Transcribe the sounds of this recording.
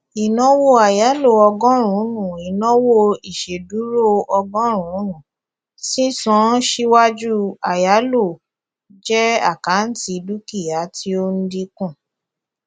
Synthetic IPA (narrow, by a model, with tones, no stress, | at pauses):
i˨nɔ̃˦wo˦a˨ja˨˦lo˦˨ɔ˧ɡɔ̃˦ɾ̃ũ˨˦nũ˦˨i˨nɔ̃˦wo˦i˨ʃe˨du˨˦ɾo˦ɔ˧ɡɔ̃˦ɾ̃ũ˨˦nũ˨ | sĩ˦sɔ̃˨˦ʃi˦wa˦d͡ʒu˦a˨ja˨˦lo˦˨ | d͡ʒɛ˦a̰˦˨ka˨˦n̩˦ti˧du˦ki˦˨ja˨˦tʰi˦o˦n̩˦di˧kũ˦˨